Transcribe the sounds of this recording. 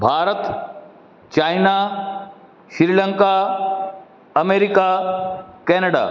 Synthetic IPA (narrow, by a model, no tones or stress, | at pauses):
bʱaːɾət̪ | t͡ɕaːjna | ʃɪɾilə̃ŋka | ɐmeːɾika | kɛːnəɽa̰ː